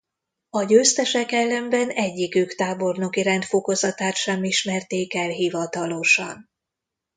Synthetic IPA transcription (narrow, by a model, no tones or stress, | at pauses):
ɒɟøːst̪ɛʃɛkɛlːɛmbɛnɛɟːikøːkt̪aːbo̞rno̞kiɾɛnt̪fo̞ko̞zɒt̪aːt̪ʃɛmːiʃmɛrt̪eːkɛlɦivɒt̪ɒlo̞ʃɒ̰n